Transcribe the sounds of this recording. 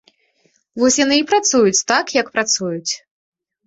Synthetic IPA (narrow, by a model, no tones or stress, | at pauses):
vɔsʲjanɨipɾat̪sujut͡sʲt̪akjɐkpɾat̪sujut͡sʲ